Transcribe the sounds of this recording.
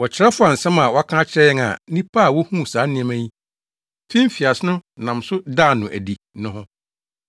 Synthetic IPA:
wɔ˨t͡ɕʰɪ˨ɾɛ˦fʊ˦a˨n̩˨sɛ̃˦mã˨wɔ˦a˦kʰã˦a˦t͡ɕʰɪ˦ɾɛ˦ɛ˦ŋa̰˨nĩ˦pʰa˦a˨wɔ˦hũ˦˨sãː˨˦nɪ̃˦ɛ̃˨mæ̃˦ji˦ | fĩ˦m̩˦fi˨a˨sɪ˦nʊ̃˦nã˨msʊ˦da˦˨nʊ̃˨ʔæ̰˨di˨ | nʊ̃˦hʊ̃˦

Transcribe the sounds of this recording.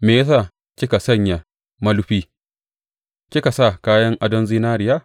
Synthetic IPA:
meː˨jɐ˦s̬aː˦˨ | kʲɪ˦ka˨sɐ˦˨ɲja˨ | mɐ˦lʊ˦ɸiː˦ | kʲɪ˦ka˨sa˦˨kaː˦jɐ˦ŋʔa˦dɐ˦nzi˦naː˦ɾɪ˨jaː˦˨

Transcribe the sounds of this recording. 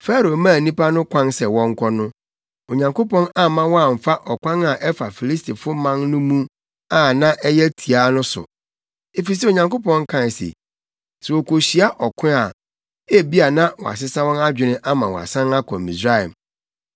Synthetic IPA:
fɛ˦ɾo˨mãː˦˨nĩ˦pa˦nʊ̃˦kʷʰã˦nsɛ˨wɔ̃˦ŋ̩˦kʰʷɔ˦nʊ̃˦ | o˨ɲã˨ŋko˦pɔ̃˦na˦mã˦wɔ˦a˨m̩˨fa˦ʔɔ˨kʷã˦na˨ʔɛ˦fa˨fi˨li˦stʰi˨fʊ˦mã˦nnʊ̃˦mũ˦ | a˨nã˦ʔɛ˦jɛ˦tʰi˨a˦nʊ̃˦sʊ̰˨ | e˨fi˨s̬ɛ˦o˨ɲã˨ŋko˦pɔ̃˦ŋ˦kʰã˦˨sḛ˨ | sɛ˨wɔ˨kʰo˨ɕi˨˦a˦ʔɔ˨kʰʊ̃˦a˨ | e˦bi˦a˨nã˦wɔ̰˨a̰˨sɪ˦sa˦wɔ̃˦na˦d͡ʑᶣɪ˨nɪ̃˦ʔa˦mã˨wɔ̰˨a̰˨sã˦na˦kʰɔ˨mi˨sɾa˦˨ɛ̰˨m

